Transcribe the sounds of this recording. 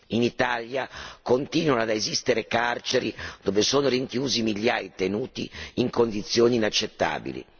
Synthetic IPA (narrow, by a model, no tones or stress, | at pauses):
init̪aljakont̪iːnonad̪aezist̪eɾekart͡ʃeɾid̪̥oːvesoːnoɾiŋkjuːzimiʎjaːjt̪enuːt̪ḭiŋkond̪it̪sːjoːniːnat͡ʃːet̪ːa̰ːbḭlḭ